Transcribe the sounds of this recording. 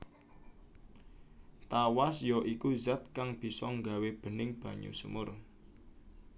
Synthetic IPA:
t̪awasjɔʔikuzat̪̚kaŋb̥i̤sɔŋɡa̤web̥ə̤nɪŋb̥ä̤ɲṵsṵmʊr

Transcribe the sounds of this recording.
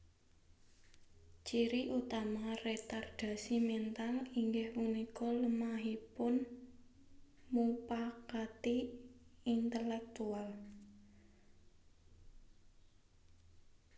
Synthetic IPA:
t͡ʃiɾiʔut̪amaret̪ard̥a̤simɛnt̪aliŋɡɪhmunikɔləmaɦipʊn | mupakat̪i | int̪əlɛk̚t̪ual

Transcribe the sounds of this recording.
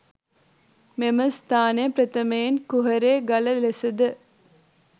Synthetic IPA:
memɐst̪aːnɐpɾɐt̪ɐmejinkuɦɐɾeːɡɐlɐlesɐd̪ɨ

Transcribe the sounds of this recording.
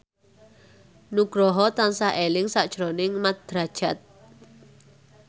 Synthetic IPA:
nuɡ̥ɾɔɦɔt̪ansaʔelɪŋsaʔd̥ʒ̥ɾonɪŋmat̪̚d̪̥ɾad̥ʒ̥a̤t̪̚

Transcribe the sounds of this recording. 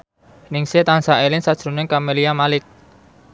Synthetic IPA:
nɪŋset̪ansaʔelɪŋsad̥ʒ̥ɾṳnɪŋkameliamalɪk̚

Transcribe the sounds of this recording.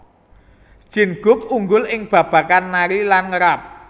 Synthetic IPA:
d̥ʒ̥ɪ̤nɡ̥ʊ̤k̚uŋɡʊlɪŋb̥ä̤b̥ä̤kanːaɾilanŋəɾap̚

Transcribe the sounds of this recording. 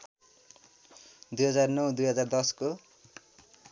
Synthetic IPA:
d̪ujɦʌd͡zarnʌwd̪ujɦʌd͡zard̪ʌsko

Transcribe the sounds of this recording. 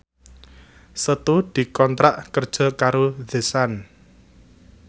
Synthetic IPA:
sət̪ud̪̥i̤kɔnt̪ɾaʔkərd̥ʒ̥ɔ̤kaɾod̥e̤san

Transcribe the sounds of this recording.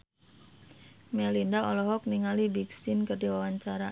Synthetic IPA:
mɛlindaɔlɔɦɔk̚niŋalibiksɪnkərdiwawaɲt͡ʃaɾa

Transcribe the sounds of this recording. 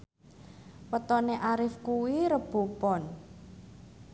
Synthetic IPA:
wət̪ɔneʔaɾɪfkuwiɾəb̥o̤pɔn

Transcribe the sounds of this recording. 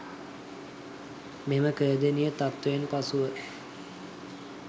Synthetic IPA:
meməkəːd̪enijət̪at̪ʋəenpasuʋə

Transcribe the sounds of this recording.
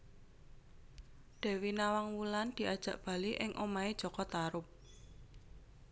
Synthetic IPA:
d̪̥ɛ̤winawaŋwuland̪̥i̤ʔad̥ʒ̥ä̤ʔb̥ä̤liʔɪŋʔomaed̥ʒ̥ɔ̤kɔt̪aɾʊp̚

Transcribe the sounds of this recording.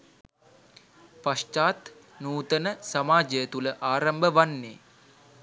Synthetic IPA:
paʂʈaːt̪ | nuːt̪ənəsɐmaːd͡ʒəjət̪uləʔaːɾɐmbəʋanːḛː

